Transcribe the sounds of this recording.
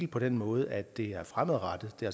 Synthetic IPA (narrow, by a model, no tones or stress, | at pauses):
l̩pʰɒ̽d̥enmɔ̽ːð̞ˠʔæd̥e̝æɐfʁamð̩ˠʁɑd̥ð̩ˠd̥eɐ